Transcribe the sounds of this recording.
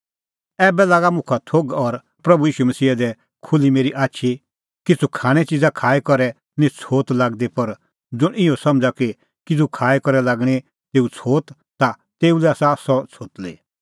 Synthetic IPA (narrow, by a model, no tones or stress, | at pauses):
ɛːbɛlaːɡamʊ̃kʰat̪ʰoɡɔɾ | pɾɐbujiːʃumɐsiːad̪ɛ | kʰʊlimeːɾiʔaːtːʃʰi | kit͡sʰukʰaːɽ̃ɛt͡ʃid͡zakʰaːɛkɔɾɛ | nĩt͡sʰoːt̪laːɡd̪epɐɾ | d͡zʊɽɪɔ̃sɐ̃md͡zaki | kɪt͡sʰukʰaːɛkɔɾɛlaːɡɽ̃i | t̪eːut͡sʰoːt̪ | t̪a | t̪eːulɛaːsasɔt͡sʰoːt̪lḛː